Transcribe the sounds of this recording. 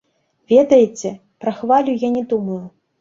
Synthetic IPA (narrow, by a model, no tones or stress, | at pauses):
vʲɛd̪ɐjɛt͡sʲɛ | pɾɐxvalʲujanʲɛd̪umɐju